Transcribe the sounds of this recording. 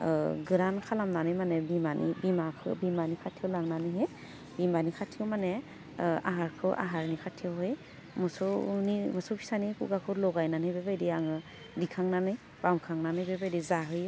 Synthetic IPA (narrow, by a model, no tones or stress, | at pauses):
ɡɯɾankʰalamnanɯjmanɛbimanḭbimakʰɯ̰bimanikʰatʰiwlaŋnanɯjɦe | bimanikʰatʰiwmanɛ | a̰ɦaɹkʰɯwʔa̰ɦaɹnikʰatʰiwɦɔj | mɔsɔnimɔsɔwpʰi̥sanikṵɡakʰɯwlɔɡajnanɯjbebajdiaŋɯ | dikʰaŋnanɯj | b̥amkʰaŋnanɯjbebajdizaɦɯj